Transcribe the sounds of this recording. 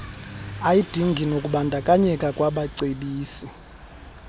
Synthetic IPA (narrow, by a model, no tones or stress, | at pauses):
ajid̥ʱiŋɡʱinokʼuɓandʱakʼaɲɛkʼakʼwaɓaǀeɓiːsi